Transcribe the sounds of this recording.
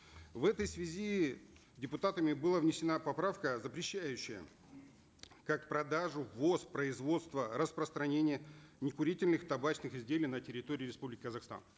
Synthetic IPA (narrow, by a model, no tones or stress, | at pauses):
vɛt̪əjsvʲɪzʲi | dʲɪpʊt̪at̪əmʲɪbɨlˠavnʲɪsʲɪnapɐpɾafkəzəpɾʲɪɕːæjʉɕːɪjə̰ | kak̚pɾɐd̪aʐʊvo̞spɾəɪzvo̞t̪st̪vəɾəspɾəst̪ɾɐnʲenʲɪjənʲɪkʊɾʲitʲɪlʲnɨxt̪ɐbat͡ɕnɨxɪzʲdʲelʲɪijnətʲɪɾʲɪt̪o̞ɾʲɪːɾʲɪspublʲɪkʲɪkəzɐxst̪a̰n